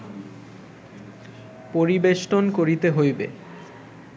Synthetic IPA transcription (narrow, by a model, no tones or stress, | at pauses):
poɾibeʃʈonkoɾit̪eɦojbe